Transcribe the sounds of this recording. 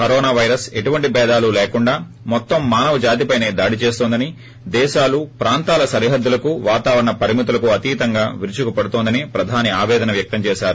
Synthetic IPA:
kɐɾɔːnaːʋɐjɾɐse̞ʈuʋɐɳʈipɛːd̪aːlulɛːkuɳɖaː | mɔt̪ːɐmːaːnɐʋɐd͡ʒaːt̪ipɐjne̞ːd̪aːɽit͡ʃeːst̪ond̪ɐni | d̪ɛːʃaːlupɾaːnt̪aːlɐsɐɾiɦɐd̪ːulɐkuʋaːt̪aːʋɐɾɐɳɐpɐɾimit̪̬ulɐkuɐt̪iːt̪ɐŋɡaːʋiɾut͡ʃukupɐɽut̪oːnd̪ɐnipɾɐd̪ʱaːniaːʋɛːd̪ɐnɐʋjɐk̚t̪ɐmt͡ʃɛːʃaːɾu

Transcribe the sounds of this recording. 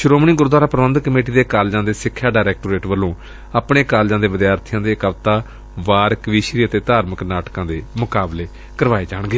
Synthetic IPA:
ʃʊɾoːmɳ̃iːɡʊɾod̪ʋaːɾaːpɾəʋənd̪kəmeːʈiːd̪eːkaːld͡ʒãːd̪eːsɪkʰːjaːɖaːɾɛːk̚ʈoːɾeːʈʋəlːõː | aːpɳeːkaːld͡ʒãːd̪eːʋɪd̪jaːɾt̪ʰijãːd̪eːkəʋt̪aː | ʋaːɾkʋiːʃɾiːət̪eːt̪aːɾməknaːʈkãːd̪eːmʊkaːbleː | kəɾʋaːeːd͡ʒaːɳ̃ɡeː

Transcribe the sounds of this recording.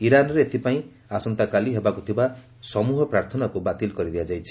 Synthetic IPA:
iɾanɾeet̪ʰipaĩ | asʌnt̪akaliɦebakot̪ʰiba | sʌmuɦɔpɾaɾt̪ʰɔnakobat̪ilkʌɾid̪ijad͡ʒajt͡ʃʰi̥

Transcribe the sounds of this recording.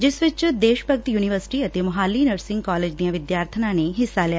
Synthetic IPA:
d͡ʒɪsʋɪt͡ʃd̪eːʃpəɡ̚t̪juːnɪʋəɾsɪ̥ʈiːət̪eːmʊɦaːliːnəɾsɪ̃ŋɡkaːleːd͡ʒd̪ijãːʋɪd̪jaːɾt̪ʰənãːneːɦɪsːaːlɛja

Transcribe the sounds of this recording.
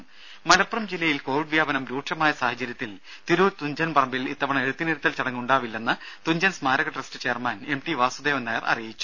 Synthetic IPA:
mɐlɐpːrɐmd͡ʑilːɐjilko̞ːʋiɖʋjaːbɐnɐmɾuːʈʂɐmaːjɐsaːɦɐt͡ɕːɐɾjɐt̪ːil | t̪iɾuːɾt̪uɲd͡ʑɐnpɐrɐmbilit̪ːɐʋɐɳɐe̞ɽut̪ːiniɾut̪ːɐlt͡ɕɐɽɐŋːuɳɖaːʋilːe̞nːɨt̪uɲd͡ʑɐnsmaːɾɐɣɐʈresʈɨt͡ɕe̞ːɐrmane̞mʈiʋaːsud̪eːʋɐnːɐjɐrʔɐ̰rijit͡ɕːu̥

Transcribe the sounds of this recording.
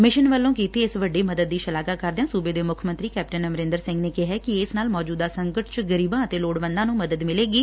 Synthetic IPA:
mɪʃənʋəlːõːkiːt̪ʰeːɪsʋəɖeːməd̪əd̪̚ːiːʃəlaːkaːkəɾd̪eãːsuːbeːd̪eːmʊkʰmə̃nt̪ɾiːkɛːp̚ʈənəmɾɪ̃nd̪əɾsɪ̃ŋɡneːkɪɦɛːkɪɪsnaːlmɔːd͡ʒuːd̪aːsəŋkəʈt͡ʃɡəɾiːbãːət̪eːloːɽʋə̃nd̪ãːnũːməd̪əd̪mɪleːɡiː

